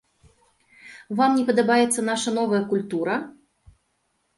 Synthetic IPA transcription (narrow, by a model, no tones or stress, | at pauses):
vamnʲɛpɐd̪ɐbajɛt̪sːɐn̪aʂɐnɔvɐjɐkulʲt̪uɾɐ